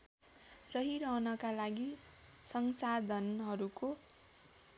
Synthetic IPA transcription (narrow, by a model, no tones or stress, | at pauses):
rʌɦiɾʌɦʌnʌkalaɡi | sʌŋsad̪ʱʌnɦʌɾuko